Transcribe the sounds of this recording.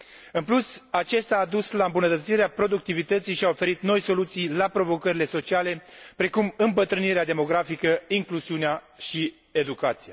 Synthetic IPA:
ɨnplusat͡ʃe̞st̪aːd̪uslaɨmbunət̪ət̪siɾeapɾo̞d̪uk̚t̪ivit̪ət̪sijʃiaofe̞ɾit̪no̞jso̞lut̪sijlapɾo̞vo̞kəɾile̞so̞t͡ʃiale̞pɾe̞kumɨmbət̪ɾɨniɾead̪e̞mo̞ɡɾafikəiŋkluziunea | ʃi | e̞d̪ukat̪sija

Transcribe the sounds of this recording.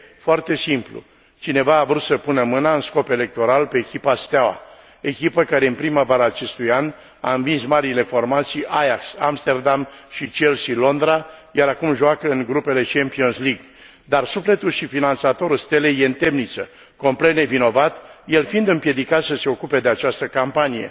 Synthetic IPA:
foart̪e̞simplṵ | t͡ʃine̞vaːvɾut̪səpunəmɨnaɨnsko̞pe̞le̞k̚t̪o̞ɾalpe̞ːkʲipast̪awa̰ | e̞kʲipəkaɾe̞ɨnpɾimavaɾaːt͡ʃe̞st̪ujan | a̰ɨnvinsmaɾile̞fo̞rmat̪sijʔajaksamst̪e̞rd̪amʃit͡ʃelsilo̞nd̪ɾajaɾakumʒoakəɨŋɡɾupe̞le̞t͡ʃempio̞nsliɡ | d̪arsufle̞t̪ulʃifinansat̪o̞ɾulst̪elejeɨnt̪e̞mnit̪sə | ko̞mple̞t̪̚ne̞vino̞vat̪jelfind̪ɨmpje̞d̪ikat̪səse̞o̞kupe̞d̪e̞at͡ʃast̪əkampanije̞̰

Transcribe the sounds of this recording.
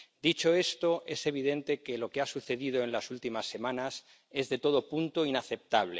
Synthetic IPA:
d̪it͡ʃo̞e̞st̪o̞e̞se̞β̞iðe̞nt̪e̞ke̞lo̞keasuθe̞ðiðoenlasult̪imasːe̞mãnas | e̞zðe̞t̪o̞ð̞o̞punt̪oinaθe̞p̚t̪aβ̞le̞

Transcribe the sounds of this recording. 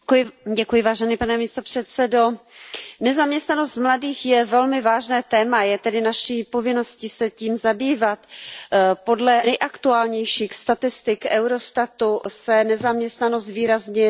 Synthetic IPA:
ɟɛkujɪvaːʒɛniːpanɛmiːst̪opr̝̥ɛt̪t͡sɛdo | nɛzamɲɛst̪nano̞st̪mladiːxjɛvɛlmɪvaːʒnɛːt̪ɛːmajɛt̪ɛdɪnaʃiːpo̞vɪno̞scɪsɛciːmzabiːvat̪ | po̞dlɛnɛjʔakt̪uaːlɲɛjʃiːxst̪at̪ɪst̪ɪkʔɛwɾo̞st̪at̪usɛnɛzamɲɛst̪nanost̪viːɾazɲɛ

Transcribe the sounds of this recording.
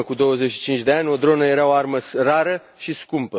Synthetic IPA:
əkud̪o̞wəzet͡ʃʃi̥t͡ʃint͡ʃʲd̪eanʲo̞d̪ɾo̞nəje̞ɾaoarməsraɾə | ʃiskumpə

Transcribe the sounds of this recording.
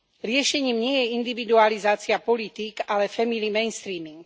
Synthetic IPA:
ɾɪɛʃɛɲiːmɲɪɛjɛind̪iʋid̪ualizaːt͡siapɔlit̪iɡalɛfɛmilimɛjnst̪ɾiːmiŋɡ

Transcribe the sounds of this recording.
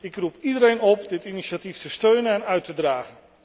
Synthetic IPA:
ɪkrupidəɾejnɔpdɪtiniʃatiftəstøɥnənɛnœɥtədraːχən

